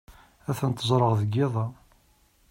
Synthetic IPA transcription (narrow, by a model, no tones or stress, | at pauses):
æθənt̪ːəzˤɾˤəʁðəɡɪðˤɑ